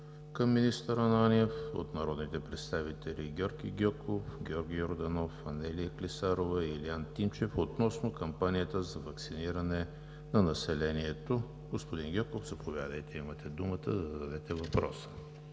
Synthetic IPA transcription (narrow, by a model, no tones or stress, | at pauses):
kəmːinist̪əɾənaniɛfo̰t̪nɐɾɔd̪nit̪ɛpɾɛt̪st̪avit̪ɛliɡʲɔɾɡʲiɡʲɔkofɡʲɛɔɾɡʲioɾd̪ɐnɔfɐnɛlijəklisaɾovəiliant̪imt͡ʃɛfot̪nɔsnokɐmpanijət̪əzɐvɐksiniɾɐnɛ | nɐnɐsɛlɛniɛt̪o | ɡospod̪inɡʲɔkofz̥ɐpovjad̪əjt̪ɛimət̪ɛd̪umət̪əd̪ɐzd̪ɐd̪ɛt̪ɛvɐpɾɔ̰sə̥